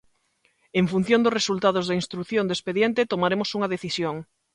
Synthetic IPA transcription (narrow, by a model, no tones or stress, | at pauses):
eɱfun̟θjõnd̪ʊsresult̪að̞ʊzðainst̪ɾuθjõnd̪espeðjent̪et̪omaɾemosuŋɐðeθisjoŋ